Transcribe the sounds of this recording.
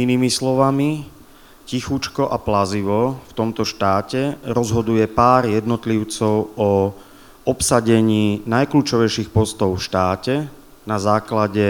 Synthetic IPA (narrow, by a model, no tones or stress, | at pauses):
iniːmislɔʋami | cixut͡ʃkɔʔaplaziʋɔft̪ɔmt̪ɔʃt̪aːcɛɾɔzɦɔd̪ujɛpaːɾjɛd̪nɔt̪liʊt͡sɔʊɔ | ɔpsaɟɛɲiːnajkluːt͡ʃɔʋɛjʃiːxpɔst̪ɔʊfʃt̪aːcɛ | nazaːklaɟɛ